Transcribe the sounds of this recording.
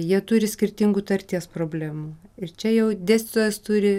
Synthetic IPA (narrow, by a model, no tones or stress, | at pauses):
jiɛt̪ʊɾʲɪsʲkʲɪɾʲt̪ʲɪŋɡuːt̪ɐɾʲt̪ʲiɛspɾoːbʲlʲæːmuɪrt͡ʃʲɛjɛʊd̪ʲæːsʲt̪ʲɪt̪oːjɛst̪uɾʲɪ